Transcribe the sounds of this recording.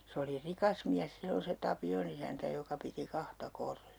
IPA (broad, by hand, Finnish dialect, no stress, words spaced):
se oli rikɑs miæs silːon se tɑpion isæntæ jokɑ piti kɑhtɑ korːiɑ